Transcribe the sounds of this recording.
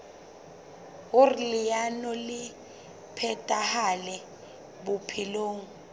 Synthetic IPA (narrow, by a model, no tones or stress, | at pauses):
ɣurlɪjanɔlɪ | pʰɛtʼahalɛ | bupʰiloːŋ̩